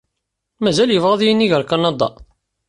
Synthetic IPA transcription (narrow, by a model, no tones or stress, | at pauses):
mæzæljəvʁæðˤjənːiʝəɾkɑnɑd̪ˤɑ̰